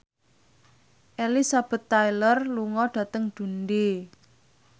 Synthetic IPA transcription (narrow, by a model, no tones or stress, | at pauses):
ʔelisab̥ə̤t̪ːajlərluŋɔɖ̥ä̤t̪əŋd̪̥ṳnde